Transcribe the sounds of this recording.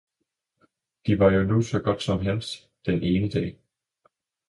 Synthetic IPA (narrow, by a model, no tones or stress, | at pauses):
d̥iʋɑ̈jo̝nusɒ̽ɡ̥ɒ̽d̥sɒ̽mɦel̰sd̥ | d̥enʔe̝ːnəd̥ɛ̰ː